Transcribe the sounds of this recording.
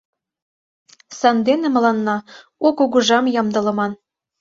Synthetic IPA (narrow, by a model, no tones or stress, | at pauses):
sɑnd̪enĕmɤ̆lɑnːɑ | okuɣuʒɑmjɑmd̪ɤ̆lɤ̆mɑn